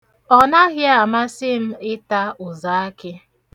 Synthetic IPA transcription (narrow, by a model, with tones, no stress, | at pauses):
ɔ˨na˦ɣɪ˦a˨ma˦sɪ˦m̩˦ɪ˦ta˦ʊ˨za˨˦a˦kɪ˦